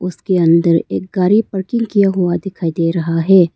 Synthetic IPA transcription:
ʊskeɐ̃nd̪əɾḛːk̚ɡaːɾipɐɾkɪ̃ŋɡkijaɦʊad̪ɪkʰaːid̪eːɾɐɦaɦɛː

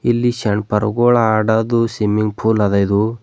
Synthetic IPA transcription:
ilːiʃɐɳpɐɾṵɡoːɭaaːɖad̪usimiŋɡpʰuːlɐd̪ɐid̪u

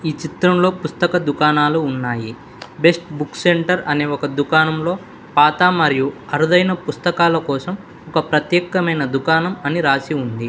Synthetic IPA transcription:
iːt͡ʃit̪ɾɐmlo̞ːpust̪ɐkɐd̪ukaːnaːluːnːaːji | be̞sʈbukse̞ɳʈɐɾɐne̞ːɔkɐd̪ukaːnɐmlo̞ː | paːt̪aːmɐɾijuɐɾud̪ɐjnɐpust̪ɐkaːlɐkɔːsɐm | ɔkɐpɾɐt̪jɛːkɐmɐjnɐd̪ukaːnɐmɐniɾaːsiund̪i

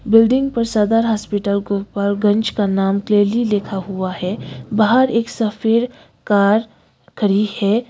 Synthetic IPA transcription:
bɪlɖɪ̃ŋɡ̚pəɾsad̪aːɾɦaːspɪʈəlɡupːɐɾɡɐ̃nt͡ʃkanaːmkleːɾlileːkʰaɦuahɛbaɦəɾeːksɐfʰeːɾ | kaːɾ | kʰəɾihɛː

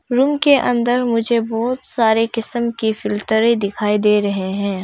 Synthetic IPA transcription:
ɾuːmkeʔɐ̃nd̪əɾmʊd͡ʒʱebɔːt̪saːɾekɪsəmkifɪlt̪əɾẽd̪ɪkʰaːid̪eːɾɐɦeɦɛ̃ː

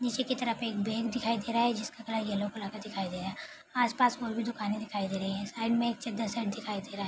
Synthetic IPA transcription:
niːt͡ʃekit̪ɐɾəpeːk̚beːɡd̪ɪkʰaːid̪eːɾaɦɛd͡ʒɪskakɐlajɛlokʊlaːkəd̪ɪkʰaːid̪eːɾaɦɛ | aːspaːsʋoːɾbʱid̪ʊkaːnẽd̪ɪkʰaːid̪eːɾɐɦiɦɛ̃saːɪɖmẽeːk̚t͡ʃɐd̪ɐsəʈd̪ɪkʰaːid̪eːɾaːɦɛ

